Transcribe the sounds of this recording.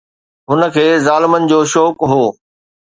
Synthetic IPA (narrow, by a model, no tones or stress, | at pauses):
ɦʊnə̆kʰeːzaːlɪmənɪ̆d͡ʑoːʃɔːkɦoː